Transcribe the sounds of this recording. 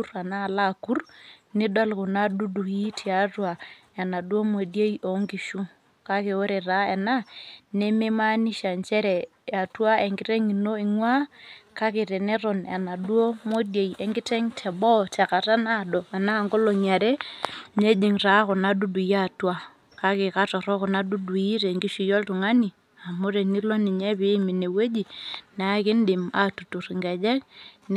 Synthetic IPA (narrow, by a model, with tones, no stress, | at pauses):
ɾa˨na˦˨la˦˨ku˦rni˦dwa˦lkʊ˨na˦du˦du˨ki˦tʰi˨a˦twa˨ | ɛ˨na˨dwo˦mo˨de˦jo˨˦ŋɡi˨ʃu˦ | ka˦ke˨o˦ɾɛ˨ra˦ɛ˨na˦ne˦me˦ma˦ni˦ʃa˨nt͡ʃɛ˦ɾɛ˨ | a˨twa˦e˨ŋɡi˨˦ɾe˦ŋi˨no˦i˨ŋwa˦ka˦kɪ˨ɾɛ˨nɛ˦ɾɔ˨nɛ˨na˨du˦o˦mo˦dje˨jɛ˦ŋɡɪ˦tɛ˦ŋtʰɛ˨bɔ˦tɛ˨ka˨ta˦na˦˨dɔ˨a˨na˦˨ŋɡɔ˦lɔ˨ɲa˨ɾɛ˦ɲɛ˦d͡ʒe˨ŋra˨˦kɔ˨na˦du˦du˨ja˦˨twa˦ | ka˦kɪ˨ka˦tɔ˨ɾɔ˦kɔ˨na˦du˦du˨i˦ɾɛ˨ŋɡi˦ʃi˨jɔ˦ltu˨ŋa˦ni˨ | a˨mo˦ɾɛ˨ni˦lɔ˦nɪ˨ɲɛ˦βɪ˦mi˨ne˨we˦d͡ʒi˨na˨˦kɪ˦ndɪ˨ma˨˦tu˨tu˨ɾi˨ŋɡɛ˨d͡ʒɛ˦kn